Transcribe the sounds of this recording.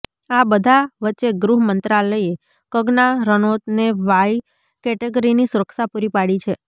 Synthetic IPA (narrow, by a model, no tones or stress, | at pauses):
abəd̪ʱaʋətːʃeɡɾuɦmənt̪ɾaləje | kəɡnaɾənot̪neʋaj | kɛʈeɡəɾinisuɾəkʃapuɾipaɽit͡ʃʰe